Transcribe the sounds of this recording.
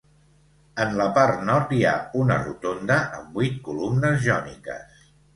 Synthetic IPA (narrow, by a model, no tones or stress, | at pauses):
ənləpaɾt̪nɔɾt̪ia̰unərut̪ond̪əʔəmbit̪̚kulumnəzʒɔnḭkə̰s